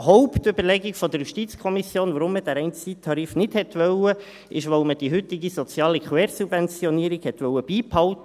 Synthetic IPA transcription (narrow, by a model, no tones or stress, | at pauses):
ɦɔʊpt̪ʏbəɾlɛɡikfɔd̪əɾjuʃtitt͡skʰɔmisjoːnʋɑɾʊmːəd̥æɾɛɪnt͡sit̪ʰɑɾifnɪdhɛt̪ʋœwə | ʔɪʃʋɔʊməd̥iɦʏt̪ɪɡisɔt͡sjɑːlikχwɛːɾsubvɛnt͡sjɔniəɾiɡhɛt̪ʋœwəb̥iːphɑʊtə